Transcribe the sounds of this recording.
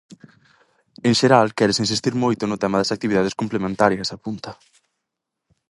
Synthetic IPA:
eŋʃeɾalkɛɾesins̬ist̪iɾmojt̪ʊnʊt̪ɛmaðɐsak̚t̪iβiðaðeskomplemẽnt̪aɾjɐsapunt̪ɐ

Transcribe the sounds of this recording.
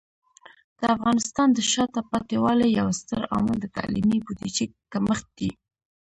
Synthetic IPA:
d̪̥əafɣɑnɪst̪ɑnd̪əʃɑt̪apɑt̪ewɑlejawst̪əɾɑ̰məld̪ət̪a̰lḭmibud̪it͡ʃikaməxt̪̚d̪̥i

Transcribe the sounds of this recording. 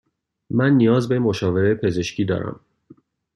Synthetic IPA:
mænːijɒːzbe̞mo̞ʃɒːve̞ɾepʰe̞ze̞ʃcʰiːd̪ɒ̰ːɾæ̰m

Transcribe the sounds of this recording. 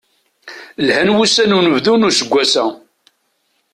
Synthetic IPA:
lhænwusænunəvðunusəɡʷːæsæ

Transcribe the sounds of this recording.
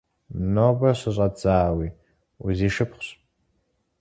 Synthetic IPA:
noːbɐɕɨɕʼɐt͡saːwiː | uziːʃɨpχʷɕ

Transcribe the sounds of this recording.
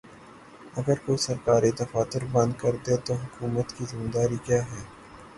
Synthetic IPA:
ɐɡəɾkoisɐɾkaːɾid̪ɐfaːt̪ɪɾbɐ̃nd̪kɐɾd̪et̪oɦʊkuːmət̪kizɪmd̪aːɾikjaːɦɛː

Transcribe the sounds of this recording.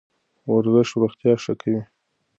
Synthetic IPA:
waɾzəʃɾʊxt̪jɑʂakʰawi

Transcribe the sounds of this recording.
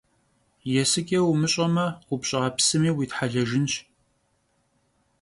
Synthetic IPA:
jɛsɨkʼewmɨɕʼɐmɐʊpɕʼɪʁɐpsɨmiːwiːtħaɮɐʒɪnʃ

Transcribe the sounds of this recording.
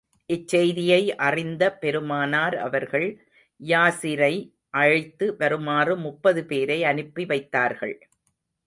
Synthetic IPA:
ʔɪt͡ʃːɛjðɪjɐɪʔɐrɪnd̪ɐpɛɾɯmaːnaːɾɐ̰ʋɐɾɣɐɭ | jaːsɪɾɐɪ | ʔɐɻɪt̪ːɯʋɐɾɯmaːrɯmʊpːɐðɯpeːɾɐɪɐnɯpːiʋɐɪt̪ːaːɾɣɐ̰ɭ

